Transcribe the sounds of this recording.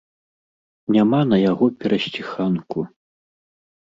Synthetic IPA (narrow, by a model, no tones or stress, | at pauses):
nʲamanɐjaɣɔpʲɛɾɐsʲt͡sʲixanku